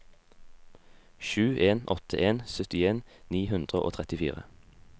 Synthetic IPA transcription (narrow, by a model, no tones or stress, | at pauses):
ʃʉːʔeːnɔt̪ʰə̰ʔeːnsœt̪ɪeːnniːhʉnd̪ʁəʔo̰ːt̪ʰʁɛt̪ɪfḭːʁə̰